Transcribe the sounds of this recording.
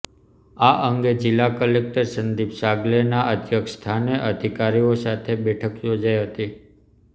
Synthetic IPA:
aʔəŋɡed͡ʒilːakəlek̚ʈəɾsənd̪ipsaɡlenaʔət̪jəkst̪ʰaneʔəd̪ʱikaɾiosat̪ʰebɛʈʰəkjod͡ʒajɦət̪i

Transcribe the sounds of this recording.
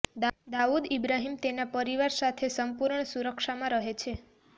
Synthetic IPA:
d̪aud̪ibɾaɦimt̪enapəɾiʋaɾsat̪ʰesəmpuɾɳsuɾəkʃamãɾəɦet͡ʃʰe

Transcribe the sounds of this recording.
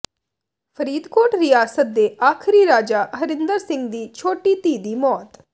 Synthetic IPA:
pʰəɾiːd̪koːʈɾɪjaːsət̪̚d̪eːʔaːkʰɪɾiːɾaːd͡ʒaːɦəɾɪnd̪əɾsɪ̃ŋɡd̪iːt͡ʃʰoːʈiːt̪iːd̪iːmɔːt̪

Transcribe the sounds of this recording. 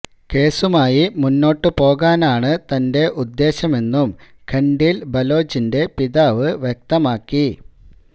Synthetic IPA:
ke̞ːsumaːjimunːo̞ːʈːɨpo̞ːɣaːnaːɳɨt̪ɐnde̞ʔud̪ːe̞ːɕɐme̞nːum | kʰɐɳɖilbɐlo̞ːd͡ʑinde̞piðaːʋɨʋjek̚t̪ɐmaːkːi

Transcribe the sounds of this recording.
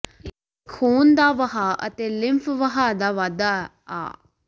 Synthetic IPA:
kʰːuːnd̪aːʋəɦaːə̰t̪eːlɪmpʰʋəɦaːd̪aːʋaːd̪aː | a̰ː

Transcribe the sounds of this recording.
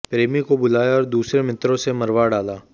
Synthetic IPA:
pɾeːmikobʊlaːjaɔːɾd̪uːsɾemɪt̪ɾõsemɐɾʋaɖaːlaː

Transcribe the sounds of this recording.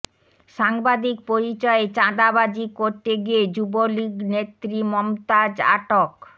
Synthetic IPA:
ʃaŋbad̪ik̚poɾit͡ɕɔet͡ɕãd̪abad͡ʑikoɾt̪eɡied͡ʑuboliɡnet̪ːɾimɔmt̪ad͡ʑa̰ʈok

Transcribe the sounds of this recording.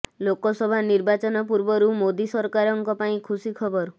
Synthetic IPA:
lokɔsɔbʱaniɾbat͡ʃɔnɔp̬uɾbɔɾumod̪isɔɾkaɾɔŋkɔpaĩkʰusikʰɔbɔɾ

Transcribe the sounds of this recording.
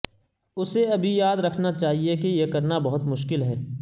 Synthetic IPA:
ʊseɐbʱijaːd̪ɾɐkʰnat͡ʃaːɦiekijekɐɾnabɐɦʊt̪mʊʃkɪlɦɛː

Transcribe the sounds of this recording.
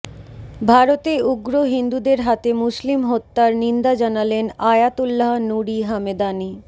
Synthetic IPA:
bʱaɾot̪euɡɾoɦind̪ud̪eɾɦat̪emuslimɦot̪ːaɾnind̪ad͡ʑanalenajat̪ulːaɦnuɾiɦamed̪ani

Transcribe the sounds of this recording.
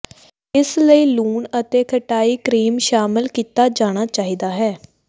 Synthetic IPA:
ɪsləiːluːnət̪eːkʰəʈaːiːkɾiːmʃaːmɪlkiːt̪aːd͡ʒaːɽ̃aːt͡ʃaːɦiːd̪aːɦɛː

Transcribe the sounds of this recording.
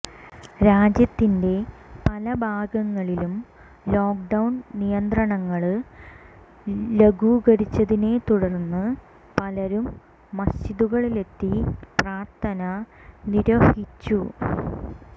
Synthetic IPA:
ɾaːd͡ʑjɐt̪ːinde̞pɐlɐbʱaːɡɐŋːɐɭilum | lo̞ːk̚ɖɐwnnijɐnd̪rɐɳɐŋːɐɭɨ | leɡuːɣɐɾit͡ɕːɐðine̞t̪uɽɐrnːɨ | pɐlɐɾumː | ɐsiðuɣɐɭile̞t̪ːipraːrt̪ʰɐnɐ | niɾɐhit͡ɕːu

